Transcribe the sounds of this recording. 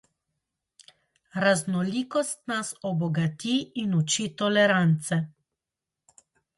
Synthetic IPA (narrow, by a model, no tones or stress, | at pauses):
ɾaznɔliːkɔst̪nasɔbɔɡat̪iːnut͡ʃit̪ɔlɛɾant̪sɛ